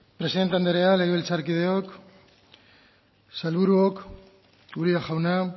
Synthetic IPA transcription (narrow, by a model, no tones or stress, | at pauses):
pɾe̞siðet̪and̪eɾealeɣβelt͡saɾkið̞e̞ok | salβuɾuok | uɾiaʝawna